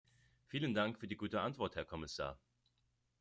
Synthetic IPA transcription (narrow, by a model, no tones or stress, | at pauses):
fiːləndaŋkfyːɐdiːɡuːtəʔantv̥ɔɐthɛɐkʰɔmɪsa̰ːɐ